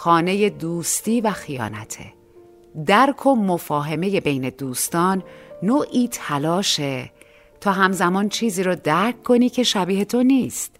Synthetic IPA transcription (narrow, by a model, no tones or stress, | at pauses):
xɒːne̞je̞d̪uːst̪iːvæxijɒ̰ːnæ̰t̪ʰḛ | d̪æɾkʰo̞mofɒːɦe̞me̞je̞be̞jne̞d̪uːst̪ɒːnːoːʔiːt̪ʰælɒːʃe | t̪ʰɒːɦæmzæmɒːnt͡ʃʰiːziːɾɔːd̪æɾkʰkʰːo̞niːcʰe̞ʃæbiːhe̞t̪ʰo̞niːst̪